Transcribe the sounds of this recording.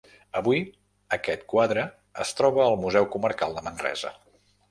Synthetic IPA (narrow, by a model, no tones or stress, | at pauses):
əβui | əkɛt̪kwaðɾə | əst̪ɾɔβəːlˠmuzɛwkuməɾkalˠd̪əmənrɛ̰zə̰